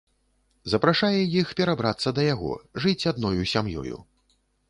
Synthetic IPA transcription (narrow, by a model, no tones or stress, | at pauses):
zɐpɾaʂajɛjixpʲɛɾabɾat̪sːɐd̪ɐjaɣɔ̰ʐɨt͡sʲad̪nɔjusʲamjɔ̰jṵ